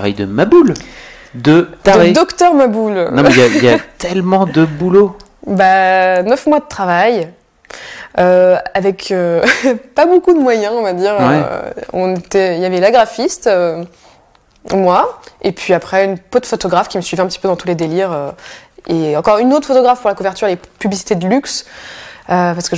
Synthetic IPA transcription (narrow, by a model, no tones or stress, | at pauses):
ava̰jd̪əmabul | d̪ət̪adʁed̪ɔkt̪œʁmabulñɛjailjat̪ʰɛlmɑ̃d̪əbulo | banœfmwad̪ət̪χavaj | øavɛkʰøpabokud̪əmwajɛ̃ɔ̃vad̪iʁwɛ̰ɔ̃net̪ɛiljavɛlaɡʁafist̪ø | mwaepʰɥiapχɛynpot̪fɔt̪ɔɡʁafkʲiməsɥivɛɛ̃pət̪ipød̪ɑ̃t̪uled̪eliʁøeɑ̃kɔʁynot̪χfɔt̪ɔɡʁafpuʁlakuvɛʁt̪yʁelepyblisi̥t̪ed̪əlyks | øpaʁsə̥kə